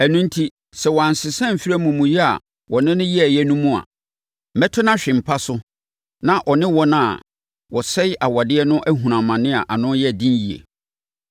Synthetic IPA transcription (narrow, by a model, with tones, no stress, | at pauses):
æ˨nũ˦n˦tʰi˦ | sɛ˨wɔ˨ã˨n˨sɪ˨sɛ̃˦m̩˨fi˦ɾæ˦mũ˨mũ˨jɛ˦a̰˨ | wɔ˨nɪ̃˦nʊ̃˦ji˦æ˨jɛ˦nũ˦mũ˦a̰˨ | mɛ˦tʰʊ˦nã˦ɕᶣɪ̃˨m̩˨pʰa˦sʊ˦ | nã˦ʔɔ˨nɪ̃˦wɔ˦nã˦˨ | wɔ˨sɛ˦jʔa˨wa˨dɪ˦ɛ˦nʊ̃˦ʔæ˦ɦũ˨ɾã˨mːã˨nɪ̃˦a˨ʔa˨nʊ̃˦n˦jɛ˦æ˨dĩ˦nji˨ḛ˨